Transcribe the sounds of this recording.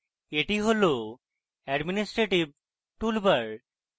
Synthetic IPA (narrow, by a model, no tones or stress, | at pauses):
eʈiɦolo | ɛɖminisʈɾeʈib̚ | ʈulbaɾ